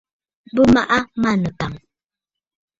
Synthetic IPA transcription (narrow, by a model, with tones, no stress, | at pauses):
bə˦ma˦ʔa˦ma˦˨nə˨ka˨ŋ